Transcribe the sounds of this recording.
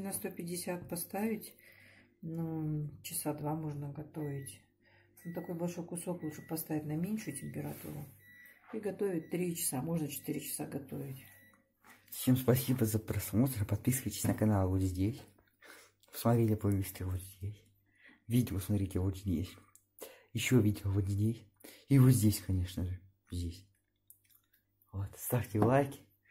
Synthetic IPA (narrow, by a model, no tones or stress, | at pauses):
nɐst̪o̞pʲɪdʲɪsʲat̪̚pɐst̪avʲɪtʲ | nət͡ɕɪsad̪vamo̞ʐnəɡɐt̪o̞vʲɪt̪ʲ | t̪ɐko̞jbɐlʲʂo̞jkʊso̞klˠut̪ʂɨ̥pɐst̪avʲɪtʲnɐmʲenʲʂʊjʊtʲɪmʲpʲɪɾɐt̪ṵɾʊiɡɐt̪o̞vʲɪt̚ʲt̪ːɾʲit͡ɕɪ̥samo̞ʐnət͡ɕɪ̥t̪ɨɾʲɪt͡ɕɪ̥saɡɐt̪o̞vʲɪtʲ | fsʲe̞mspɐsʲibəzəpɾɐsmo̞t̪əɾpɐt̪̚pʲisɨvəjtʲɪ̥sʲnəkɐnalˠvot̪zʲdʲesʲ | fsmɐt̪ɾʲelʲɪpovʲisʲtʲɪvot̪zʲdʲesʲ | vʲidʲɪosmɐt̪ɾʲitʲɪvot̪zʲdʲḛsʲ | jɪɕːovʲidʲɪvot̪zʲdʲesʲ | ivot̪zʲdʲesʲkʰɐnʲe̞ʂnəʐɨ | zʲdʲesʲ | vot̪st̪afʲtʲɪvlˠajkʲɪ̥